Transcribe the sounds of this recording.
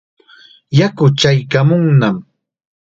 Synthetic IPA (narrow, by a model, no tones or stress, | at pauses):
jakʊt͡ʃajkamʊŋnam